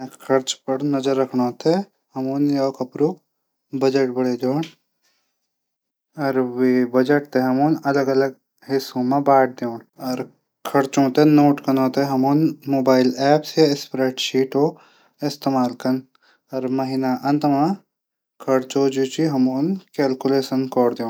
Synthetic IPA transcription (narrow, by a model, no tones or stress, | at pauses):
kʰɐɾt͡ʃpɐɾnɐzəɾːɐkʰnõːt̪ʰe | hɐmoːnjoːkɐpɾuː | bɐd͡ʒeʈ̚bɐɽed̪oːɳ | ɔːɾwebɐd͡ʒeʈ̚t̪eɦɐmoːnɐləɡɐləɡ | hɪsõmẽbaːʈ̚ʰd̪eːɳɔːɾ | kʰɐɾt͡ʃõːt̪enoːʈkɐnõt̪eɦɐmoːnmoːbaːɪlɛːpsjaɪspɾeːʈʃiːʈo | ɪst̪eːmaːlkɐn | ɔɾmɐɦɪnaʔɐ̃nt̪mã | kʰɐɾt͡ʃod͡ʒuːt͡ʃiɦɐmoːnkɛːlkʊleːʃənkɔːɾd̪jẽː